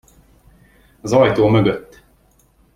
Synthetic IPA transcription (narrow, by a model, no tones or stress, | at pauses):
ɒzɒjt̪oːmø̞ɡøt̪ː